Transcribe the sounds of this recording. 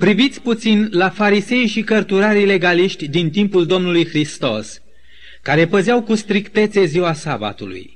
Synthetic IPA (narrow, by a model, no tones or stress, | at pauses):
pɾivit̪sʲput̪sinlafaɾise̞jʃikərt̪uɾaɾile̞ɡaliʃt̪ʲd̪int̪impuld̪o̞mnulujxɾist̪o̞s | kaɾe̞pəzɪawkust̪ɾikt̪e̞t̪se̞ziwasaba̰t̪ulṵj